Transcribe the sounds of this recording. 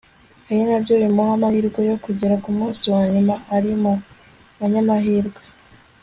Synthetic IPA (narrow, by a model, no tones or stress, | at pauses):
ehinabɟoːjimohamahiɾɡwejo̞kuɟiɾakumuːnsiwaɲimaːɾimu | βaɲamahiːɾɡwe